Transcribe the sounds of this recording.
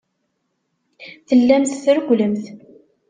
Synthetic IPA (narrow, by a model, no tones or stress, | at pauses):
θəlːæmθθɾəɡʷləmθ